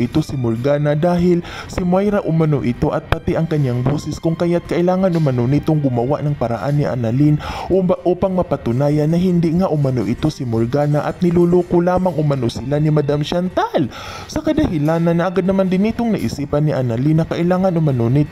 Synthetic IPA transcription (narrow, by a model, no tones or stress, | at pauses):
ʔɪt̪o̞sɪmoɾɡaːnad̪aːɦɪl | sɪmwajɾaʔʊmɐnoʔɪt̪o̞ʔɐt̪̚pɐt̪ɛʔɐŋkɐɲaŋboːsɛskʊŋkɐjat̪̚kɐʔɪlaːŋɐnʔʊmɐnonɪt̪oŋɡʊmɐwa̰ʔnɐŋpɐɾa̰ʔanːɪʔa̰nɐlinʔoʔuːpɐŋmɐpɐt̪ʊnaːjɐnːɐɦɪnd̪ɪŋaʔʊmɐno̰ʔɪt̪o̞sɪmoɾɡaːnaʔɐt̪̚nɪluluːkolaːmɐŋʔʊmɐnosɪlanɪmɐd̪amʃant̪al | sɐkɐd̪ɐhɪlaːnɐnːɐʔɐɡad̪nɐmand̪ɪnɪt̪oŋnɐʔɪ̰siːpɐnːɪʔanɐlinːɐkɐʔɪlaːŋɐnʔʊmɐnonɪt̪